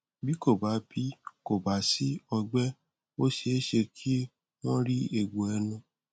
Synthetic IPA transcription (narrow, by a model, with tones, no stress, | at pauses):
bi˦ko˦˨ba˨˦bi˨˦ko˨ba˨˦si˦ɔ˧ɡ͡bɛ˦ | o˦ʃe˧˦ʃe˧kʰi˦ | nã˦ɾi˦e˨ɡ͡bo˨ɛ˧nũ˧